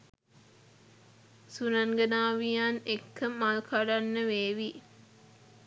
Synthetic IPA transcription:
sunaŋɡənaːʋianekːəmalkʰaɖanːəʋeːʋi

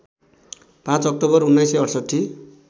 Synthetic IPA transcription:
pãt͡sʌk̚ʈobʌrunːajsʌjʌɽsʌʈʰːi

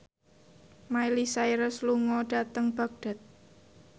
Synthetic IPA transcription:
mailisaiɾəsluŋɔɖ̥a̤t̪əŋb̥a̤k̚ɖ̥a̤t̪̚

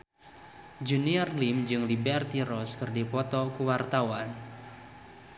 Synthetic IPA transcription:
d͡ʒuniɔrlimd͡ʒɨŋlibɛrt̪iɾɔskɨrdipɔt̪ɔkuwart̪awan

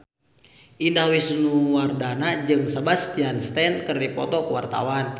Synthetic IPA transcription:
ʔindahwisnuwardanad͡ʒɨŋsabast̪ianst̪ɛnkərdipɔt̪ɔkəwart̪a̰wan

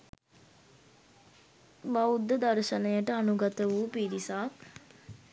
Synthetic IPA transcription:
ʋaud̪ːəd̪aɾʃənəjəʈəanuɡɐt̪əʋuːpiːɾisaːk

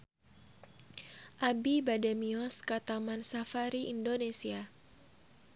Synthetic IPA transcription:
ʔabibadɛmiɔskat̪amansafaɾiʔindonesia

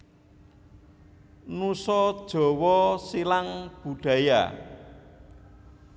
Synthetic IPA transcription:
nusɔd̥ʒ̥ɔ̤wɔsilaŋb̥ṳɖ̥a̤ja̰

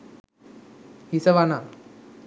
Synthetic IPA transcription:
hisɐʋana

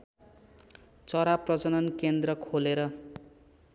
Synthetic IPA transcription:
t͡sʌɾaprʌt͡sʌnʌnkend̪rʌkʰoleɾʌ

